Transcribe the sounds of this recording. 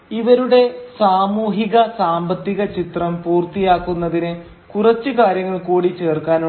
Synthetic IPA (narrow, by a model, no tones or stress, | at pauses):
iʋɐɾuɽe̞saːmuːɦiɣɐsaːmbɐt̪ːiɣɐt͡ɕit̪rɐmpuːrt̪ijaːkːunːɐðinɨ | kurɐt͡ɕːɨkaːɾjɐŋːɐɭkuːɽit͡ɕe̞ːrkaːnu